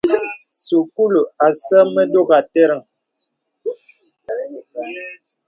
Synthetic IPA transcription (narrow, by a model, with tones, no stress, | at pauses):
su˨ku˦lu˨a˨sə˦mə˦do˦˨ɣa˨te˦ɾə˨ŋ